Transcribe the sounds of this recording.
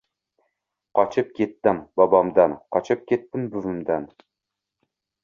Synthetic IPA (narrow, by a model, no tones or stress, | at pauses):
qɒt͡ʃʰɪp̚kʲʰe̞t̪ːɪmbɒbɑmd̪anqʰɒt͡ʃʰɪp̚kʲʰe̞t̪ːɪmbʊvɪmd̪an